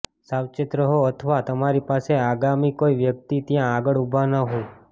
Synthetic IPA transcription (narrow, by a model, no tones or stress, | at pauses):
sawt͡ʃɪt̪ɾəɦoət̪ʰəʋat̪əmaɾipaseaɡamikoiʋjək̚t̪it̪jãːɡəɭubʱanəɦo